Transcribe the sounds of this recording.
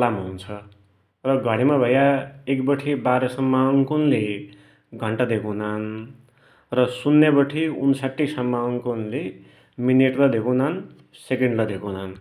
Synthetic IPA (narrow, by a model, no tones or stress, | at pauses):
lamɦunt͡sʰʌ | rʌɡʱʌɽ̃imabʱʌjaekbʌʈʰibaɾʌsʌmːaŋkunle | ɡʱʌɳʈad̪ekonan | rʌsunːebʌʈʰiunsaʈːisʌmːaŋkonle | mineʈlʌd̪ʱekonan | sekeɳɖlʌd̪ʱekonan